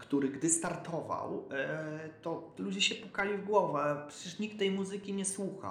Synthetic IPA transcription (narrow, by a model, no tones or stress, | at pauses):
kt̪uɾɘɡd̪ɘst̪aɾt̪ɔva̰w | t̪ɔlud͡ʑɛɕɛpukalʲivɡwɔvɛpʂɛt͡ɕɛʂɲikt̪ːɛjmuzɘkʲiɲɛswuxa̰